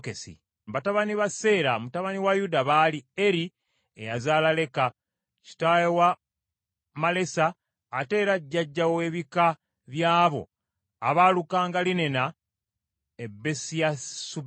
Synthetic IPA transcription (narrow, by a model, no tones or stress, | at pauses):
kesḭ | βataβaniβase̞ːɾamutaβaniwajudaβaːlieɾi | ejazaːlale̞ka | ci̥tajewa | male̞saː | te̞ːɾaɟːaɟːawoeβika | βjaːβo̞̰ | aβaːlukaːŋɡaline̞na | ebːe̞sijasub